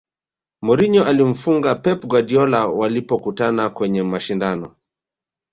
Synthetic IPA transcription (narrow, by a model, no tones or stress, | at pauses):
mɔɾiɲɔʔalim̩fuŋɡapɛpɡwadiɔlawalipɔkutanakwɛɲɛmaʃindanɔ̰